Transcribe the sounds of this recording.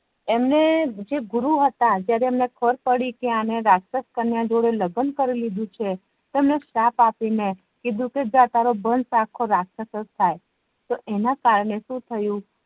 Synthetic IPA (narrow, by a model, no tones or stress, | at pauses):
emned͡ʒeɡʊɾuɦət̪ad͡ʒjaɾeːmnekʰəɾpəɽikeaneɾaksəskəɾnjãd͡ʒoɽeləɡənkəɾilid̪ʱũt͡ʃʰe | t̪oemneʃapapine | kid̪ʱũked͡ʒjãt̪aɾobənsakʰːoɾaksəsəst̪ʰaj | t̪oʔenakaɾɳeʃũt̪ʰəjũ